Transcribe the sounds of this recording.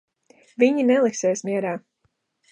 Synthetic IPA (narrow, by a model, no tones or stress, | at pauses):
viɲinɛlˠiksɛːsmʲiɛɾaː